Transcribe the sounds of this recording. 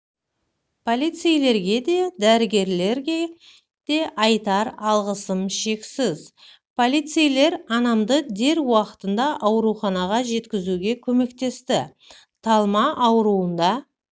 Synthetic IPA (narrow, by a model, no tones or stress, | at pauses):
pʰo̞lˠijt̪sijle̞ɾɡʲe̞d̪e̞d̪æɾɪɡʲe̞ɾle̞ɾɡʲe | d̪̥e̞ʔɑjt̪ɑɾɑlˠʁəsəmʃe̞ksɪz | pʰo̞lˠijt̪sijle̞ɾɑnɑmd̪əd̪e̞ɾwɑqə̥t̪ənd̪ɑʔɑwɾuχɑnɑʁɑʒe̞t̪kʲɪzuɡʲe̞kʲʰɵme̞kt̪e̞st̪ɪ | t̪ʰɑlˠmɑʔːwɾuənd̪ɑ